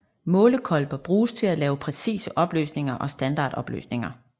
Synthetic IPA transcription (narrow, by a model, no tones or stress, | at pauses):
mɔ̽ːləkʰɒ̽lb̥ɐb̥ʁuːst͡sʰe̝lælɛːʊpʰʁɛsḭːsəʔɒ̽b̥lø̰ːsne̝ŋɐʔɒ̽sd̥ænd̥ɑ̈ːd̥ɒ̽b̥lø̰ːsne̝ŋɐ